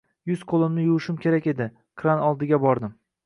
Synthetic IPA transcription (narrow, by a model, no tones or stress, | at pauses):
jʊzqʰolˠɪmnɪjʊɨʃɪmkʲʰe̞ɾakʲe̞d̪ɪ | kʰɾanɒlˠd̪ɪɡʲabɒɾd̪ɪm